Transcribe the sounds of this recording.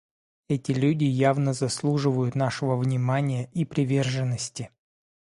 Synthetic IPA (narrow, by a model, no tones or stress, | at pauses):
ɛtʲɪlʲudʲɪjavnəzɐslˠuʐɨvəjʊt̪naʂɨvəvnʲɪmanʲɪjəʔipɾʲɪvʲe̞rʐɨnːəsʲtʲɪ